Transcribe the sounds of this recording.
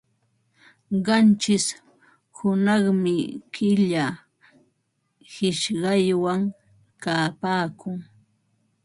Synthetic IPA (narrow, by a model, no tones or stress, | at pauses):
ɢɑnt͡ʃɪs | hʊnɑχmɪkɪʎa | hɪʃɢɑjwaŋ | kaːpaːkʊŋ